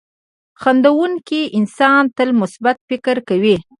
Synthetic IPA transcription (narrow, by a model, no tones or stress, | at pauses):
xand̪awuŋkiʔɪnsɑnt̪əlmʊsbat̪̚fɪkɾkawi